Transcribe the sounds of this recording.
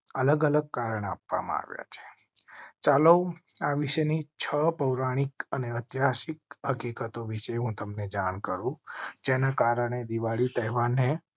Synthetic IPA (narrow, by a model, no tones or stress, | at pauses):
ələɡələɡ̚kaɾəɳa̰pʋa̰mã̰a̰ʋja̰t͡ʃʰe̥ | t͡ʃaləaʋiʃenit͡ʃʰəpəwɾaɽ̃ikəneət̪jaʃik̚ɦəkikət̪oʋiʃeɦũt̪əmned͡ʒankəɾũd͡ʒenakaɾəɳ̃ed̪iʋaɭit̪əɦɛʋanːe